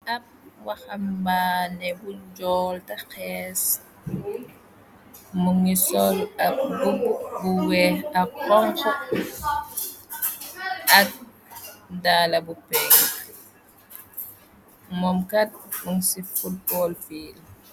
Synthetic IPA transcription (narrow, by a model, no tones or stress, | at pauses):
ap̚waxambanɛbud͡ʒɔːltaxɛːs | muŋisɔlaɡububuwɛhakɔŋkɔ | ɐt̚ | daːlabupɛːk | mɔmkat̚muŋsifut̚bɔlfiːl